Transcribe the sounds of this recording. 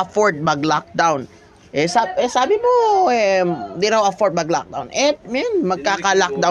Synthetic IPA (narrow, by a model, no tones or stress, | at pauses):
ɐfoɹd̪̚mɐɡlak̚d̪awn | ʔɛsaɛsaːbɪmoɛmd̪ɪɾaɐfod̪̚mɐɡla̰k̚d̪a̰wnʔɛt̪̚mɛnmɐɡ̚kaːkɐlak̚d̪a